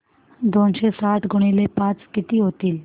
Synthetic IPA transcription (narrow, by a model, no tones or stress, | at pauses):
d̪onɕesaʈ̪ɡʱuɽ̃ilepat͡skit̪iːɦot̪iːl